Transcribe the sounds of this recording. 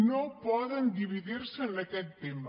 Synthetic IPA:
nopɔðend̪iβiðiɾsəːnɐkɛt̪ːem

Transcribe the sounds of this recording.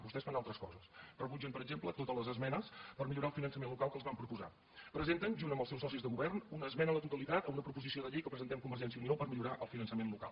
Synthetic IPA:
bust̪ɛsfanalˠt̪ɾəskɔ̰zəsrəβud͡ʒəmpəɾəɡʒemplət̪ot̪ələzəzmɛnəspərmiʎuɾaəlˠfinənsəmenlukalˠkəlˠzβampɾupuza̰ | pɾəzent̪ənʒunəmbəlˠsɛwsɔsizðəɣuβɛrnunəːzmɛnəðət̪ut̪əlit̪at̪əunəpɾupuzisioðəʎejkəpɾəzənt̪ɛmkumbərʒɛnsiəuniopəɾmiʎuɾaʔəlˠfinənsəmenluka̰lˠ

